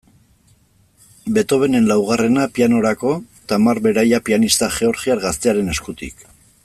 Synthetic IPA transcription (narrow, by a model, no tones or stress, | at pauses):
be̞t̪o̞βe̞ne̞nlawɣ̞are̞napiano̞ɾako̞ | t̪amaɾβe̞ɾajapianist̪aʝe̞o̞ɾʝiaɾɣast̪e̞aɾe̞ne̞skut̪ḭk